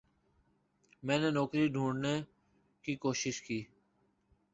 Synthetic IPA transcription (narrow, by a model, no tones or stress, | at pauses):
mɛ̃ːneːnɔːkɾiːɖʱũːɖneː | kiːkoːʃɪʃkiː